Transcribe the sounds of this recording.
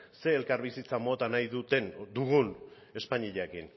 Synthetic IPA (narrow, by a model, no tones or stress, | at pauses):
se̞ːlkarβisit͡samo̞t̪anajðut̪e̞nd̪uɣ̞un | e̞spaɲiʎakin